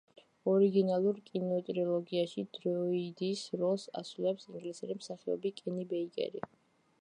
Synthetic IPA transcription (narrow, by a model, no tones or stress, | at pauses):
ɔɾiɡinalˠuɾkʼinɔt̪ʼɾiɔlˠɔɡiaʃid̪̥ɾɔid̪isɾɔlˠsa̰sulɛpsiŋɡlisɛɾimsaχiɔ̰bikʼɛnibɛikʼɛ̰ɾi